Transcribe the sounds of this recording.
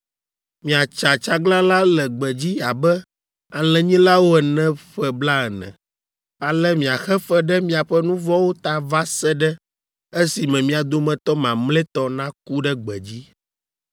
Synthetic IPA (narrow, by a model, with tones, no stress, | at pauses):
mĩ˨a˨t͡ʃa˨t͡ʃa˦ɡla˦la˦lɛ˨ɡ͡bɛ˨d͡ʑi˦a˨bɛ˦ | a˨lɛ̃˨ɲĩ˦la˦wo˦ɛ˨nɛ̃˦ɸɛ˦bla˦ɛ˨nɛ̰̃˨ | a˨lɛ˦mĩ˨a˨xɛ˦fɛ˦ɖɛ˦mĩ˦a˨ɸɛ˦nũ˦vɔ˦wo˦t̪a˨va˦sɛ˦ɖɛ˦ | e˦si˨mɛ̃˨mĩ˦a˨d̪o˦mɛ̃˨t̪ɔ˦mã˨mlɛ˦t̪ɔ˨nã˦ku˦ɖɛ˦ɡ͡bɛ̰˨d͡ʑi˦